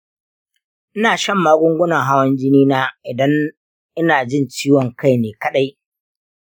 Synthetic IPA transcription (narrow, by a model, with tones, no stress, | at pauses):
ʔɪ˦naː˨ʃɐ˦˨mːaː˦ɡʷʊ˦ŋɡʷʊ˦nɐ˨ŋɦa˦wɐ˦nd͡ʒɪ˦niː˦naː˦ʔɪ˨dɐ˦n | ʔɪ˦naː˨d͡ʒɪ˦˨nt͡ʃiː˦wɔ˨ŋka˦˨jneː˨kɐ˦ɗa˦j